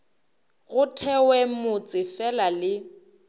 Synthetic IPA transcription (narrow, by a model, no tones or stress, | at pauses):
ɣʊtʰɛwɛmʊt͡sʼɪfɛlalɪ